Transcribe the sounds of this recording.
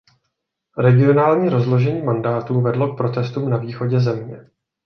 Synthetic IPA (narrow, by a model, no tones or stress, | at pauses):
ɾɛɡɪo̞naːlɲiːɾo̞zlo̞ʒɛɲiːmandaːt̪uːvɛdlo̞k̚pɾo̞t̪ɛst̪uːmnaviːxo̞ɟɛzɛmɲɛ